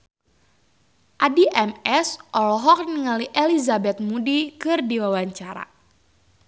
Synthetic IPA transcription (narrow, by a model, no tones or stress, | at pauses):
ʔadiʔɛmɛsʔɔlɔɦɔk̚niŋaliʔelizabɛt̪̚mudikɨrdiwawaɲt͡ʃaɾa̰